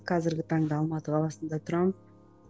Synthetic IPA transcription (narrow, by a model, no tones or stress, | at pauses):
qʰɑzɪɾɡʲɪt̪ʰɑɴd̪əɑlˠmɑt̪əqʰɑlˠɑsənd̪ɑt̪ʰʊɾɑm